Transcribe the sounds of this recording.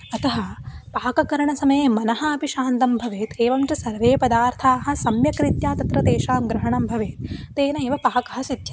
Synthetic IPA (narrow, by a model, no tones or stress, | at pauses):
ɐt̪ɐɦɐ̆paːkɐkɐɾɐɳɐsɐmɐjeːmɐnɐɦɐɐpiʃaːnt̪ɐmbʱɐʋeːt̪eːʋɐmt͡ʃɐsɐɾʋeːpɐd̪aːɾt̪ʰaːɦɐ̆sɐmjɐkɾit̪jaːt̪ɐt̪ɾɐt̪eːʃaːmɡɾɐɦɐɳɐmbʱɐʋeːt̪̚t̪eːnɐeːʋɐpaːkɐɦɐ̆sit̪jɐ